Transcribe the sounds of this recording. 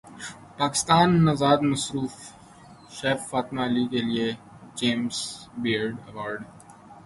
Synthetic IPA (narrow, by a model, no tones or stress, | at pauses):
paːkɪ̥st̪aːnːɐzaːd̪mɐsɾuːf | ʃɛːfːaːt̪maɐlikelie | d͡ʒẽːmsbiːɾɖɐʋaːɾɖ